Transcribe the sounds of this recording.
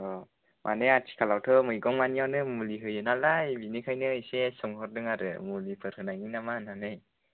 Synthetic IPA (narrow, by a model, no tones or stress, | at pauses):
ɔ | mʔa̰neatʰi̥kʰalawtʰɯmɯjɡɔŋmanijawnɯmuliɦɯjɯnalajbinikʰajnɯisesɔŋhɔɾdɯŋaɾɯ̰mulipʰɯɾhɯnajŋinamananɯj